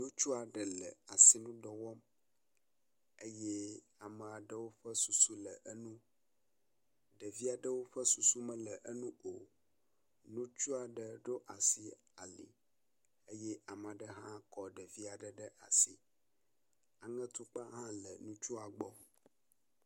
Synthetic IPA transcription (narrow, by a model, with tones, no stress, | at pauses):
nũ˦t͡ʃu˦a˨ɖə˨lə̰˨a˨si˨nũ˦ɖɔ˨wɔ˦m | e˦je˦ | a˨mɛ̃˨a˨ɖə˦wo˦ɸə˦su˨su˦lɛ˨ʔə˦nũ˦ | ɖɛ˨vi˦a˨ɖə˦wo˦ɸə˦su˨su˦mɛ̃˦lɛ˨ʔə˦nũ˦o˨ | nũ˦t͡ʃu˦a˨ɖə˨ɖo˦ʔa˨si˦ | a˨lḭ˨ | e˦jɛ˦ʔa˨m˨a˨ɖə˦ɦã˦kɔ˨ɖɛ˨vi˦a˨ɖə˦ɖə˦ʔa̰˨si˦ | a˨ŋɛ̃˦t̪u˦k͡pa˦ɦã˦lə̰˨nũ˦t͡ʃu˦a˨ɡ͡bɔ˦